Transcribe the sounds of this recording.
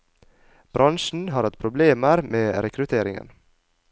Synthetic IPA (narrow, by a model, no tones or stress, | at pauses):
b̥ɾʔɑnʃɳn̩ɦɑːɾɑt̪pʰɾʊbleːməɾmeːɾɛkʰɾʉt̪ʰeːɾɪŋə̰n